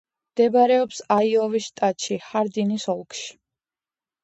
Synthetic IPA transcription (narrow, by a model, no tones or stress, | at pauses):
md̪ɛbaɾɛɔpsaiɔvisʃt̪ʼat̪ʼʃihaɾd̪inisɔlˠkʼʃi̥